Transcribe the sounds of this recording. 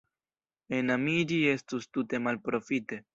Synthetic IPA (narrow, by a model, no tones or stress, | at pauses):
e̞namid͡ʒie̞stustute̞malpɾo̞fite̞